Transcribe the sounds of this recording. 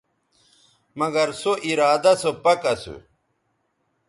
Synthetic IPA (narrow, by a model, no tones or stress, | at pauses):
mɐɡɐɾsoʔiɾaːd̪ɐsopɐkɐsṵ